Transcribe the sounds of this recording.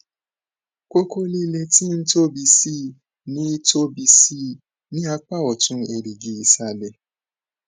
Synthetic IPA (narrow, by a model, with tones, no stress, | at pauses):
ko˦ko˦li˦le˧ti˦n̩˦to˦bi˧si˦˨ | nĩ˨˦to˦bi˧si˦˨ | nĩ˦a˧k͡pa˦˨ɔ˨tũ˧˦e˨ɾi˨ɡi˨i˨sa˨lɛ˨